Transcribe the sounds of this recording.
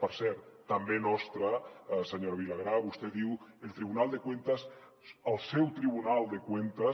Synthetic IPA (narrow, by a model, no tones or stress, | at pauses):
pəɾsɛɾt̪ːambenɔst̪ɾəseɲoɾβilaɣ̞ɾaβust̪ɛðiwelˠt̪ɾiβ̞unalˠd̪ekwent̪əs | əlˠsɛwt̪ɾiβ̞unalˠd̪ekwent̪ə